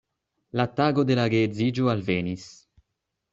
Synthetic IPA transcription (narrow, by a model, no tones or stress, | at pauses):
lat̪ːaːɡod̪elaɡeːd̪ziːd͡ʒualveːnis